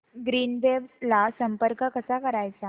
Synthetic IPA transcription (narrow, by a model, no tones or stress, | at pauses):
ɡɾiːnʋeʋslasəmpəɾkəkəsakəɾajt͡sa